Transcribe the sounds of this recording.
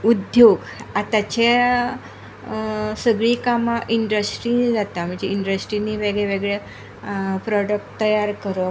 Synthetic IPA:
ud̪ʱjoɡ | at̪at͡ɕe | səɡɭiːkamaʔiɳɖəsʈɾinid͡zat̪am̤əɳd͡zeiɳɖɾəsʈɾiniʋeɡɭeʋeɡɭe | pɾɔɽək̚ʈt̪əjaɾkəɾə

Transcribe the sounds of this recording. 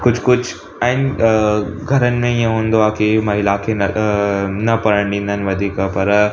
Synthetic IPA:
kʊd͡ʑʱkʊd͡ʑʰʱ | aɦɪnɪ̆ | ɡʱɐɾənɪ̆mẽijãɦũːnd̪oaːkemɐɦilakʰe | nɐpɐɾəɳ̃d̪ĩːnd̪ʱənɪ̆ʋɐd̪ʱiːkəpɐɾ

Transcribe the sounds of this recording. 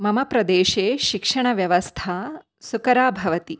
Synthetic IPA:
mɐmɐpɾɐd̪eːʃeːʃikʂɐɳ̃ɐʋjɐʋɐst̪ʰaː | sukɐɾaːbʱɐʋɐt̪i

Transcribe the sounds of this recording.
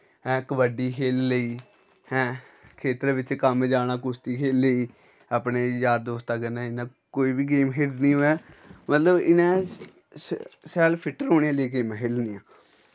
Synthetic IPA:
ɛ̃ːkəʋəɖiːkʰeːlləiː | hɛ̃ːkʰeːt̪əɾʋɪt͡ʃkəmd͡ʒaːnaːkʊst̪iːkʰeːlːəiː | aːpneːjaːd̪oːst̪aːkənaːɪnãː | koːiːbiːɡeːmɦeːlnĩːoːɛːmət̪ləbɪnɛ̃ː | ssɛːlpʰɪʈːəɾɦoːɽ̃eːãːleːɡeːmɛ̃ːɦeːlniːã̰ː

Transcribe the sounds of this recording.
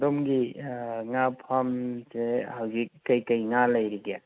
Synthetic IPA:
dɔmɡiŋapʰamsehawɡikːajkəjŋalajɾiɡja

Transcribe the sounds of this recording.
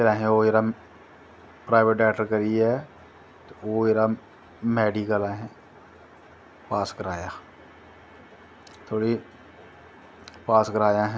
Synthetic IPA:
eɾaːɦẽojəɾa | pɾaːɪʋeʈ̚ɖɛːʈəɾkəɾiɛ | t̪ooːjeɾa | mɛːɖikəlaɦɛ̃ | paːskəɾaːja | t̪ʰoːɽi | paːskəɾaːjãɦɛ̃

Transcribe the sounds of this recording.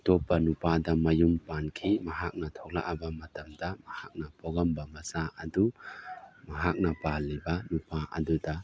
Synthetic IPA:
tɔpːɐnupadɐmɐjumpankʰimɐɦak̚nɐtʰɔk̚la̰ʔabɐmɐtɐmdɐmɐhak̚nɐpɔɡɐmbɐmɐsaɐdu | mɐɦak̚nɐpalːibɐnupaʔɐ̰dudɐ

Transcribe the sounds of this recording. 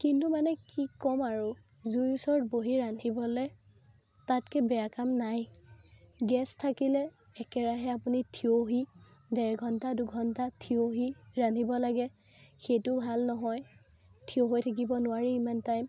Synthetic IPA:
kintumanɛkikɔmaɹu | zujusɔɹt̚boɦiɹanʰibɔlɛ | tatkɛbɛakamnaj | ɡɛstʰːakilɛː | kɛɹaɦɛapunitʰioɦidɛɹɡʱɔntaduɡʱɔntatʰioɦiɹantibɔlaɡɛ | xejtʊbʱalnɔɦɔj | tʰioɦojtʰak̬ibɔnʊwaɹiimantajm

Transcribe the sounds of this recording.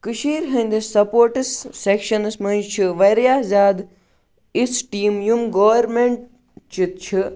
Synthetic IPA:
kɨʃiːɾɦɐnʲd̪isɐpoːɾʈisːekʃɐnɨsmɐ̃nd͡ʒt͡ʃʰiʋɐɾjaːzʲaːd̪ | isʈiːmjumɡɐʋɐɾmeɳʈ̚ | t͡ʃit̪̚t͡ʃʰi

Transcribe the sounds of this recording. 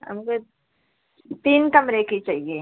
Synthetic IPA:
ɦɐ̰mko | t̪iːnkɐmɾekit͡ʃaːɦie

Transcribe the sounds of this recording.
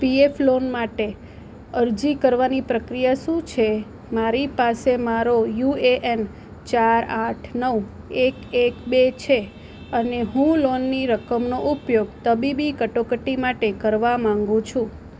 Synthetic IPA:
pieflonmaʈe | əɾd͡ʒikəɾʋanipɾəkɾijaʃũt͡ʃʰe | maɾipasemaɾojueʔen | t͡ʃaɾaʈʰnəw | ekekbet͡ʃʰe | əneɦũlonːiɾəkəmnoʔupjoɡt̪əbibikəʈokəʈimaʈekəɾʋamãŋɡũt͡ʃʰũ

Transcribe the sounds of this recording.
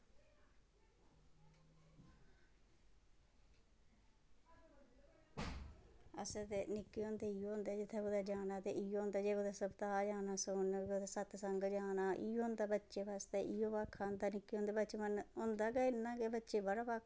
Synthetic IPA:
əset̪enɪkːiːõːnd̪eːiːõːnd̪eːd͡ʒɪt̪ʰːeɡoːd̪aːd͡ʒaːnaːt̪eːʔiːõːnd̪aːd͡ʒeːɡod̪aːsəbt̪aːd͡ʒaːnaːsoːnoːd̪asət̪səŋɡd͡ʒaːnaːʔiːõːnd̪aːbətːʃeːʋaːst̪eːʔiːoːpaːkʰːand̪aːnɪkːiõːnd̪eːbət͡ʃmənɦʊnd̪aːkeɪnːãːkebətːʃeːbəɽaːpak

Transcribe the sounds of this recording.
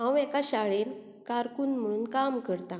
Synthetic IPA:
ɦãwɛkaɕaɭen | kaɾkuːnm̤əɽ̃uːnkamkəɾt̪ã

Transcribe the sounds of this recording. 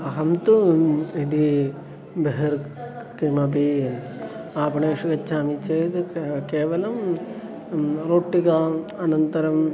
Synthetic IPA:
ɐɦɐmt̪uid̪i | beɦɐɾ | kimɐbi | aːpɐɳeːʂuɡɐt͡ʃʰːaːmit͡ʃeːt̪keːʋɐlɐm | ɾoːʈːikɐɐnɐnt̪ɐɾɐm

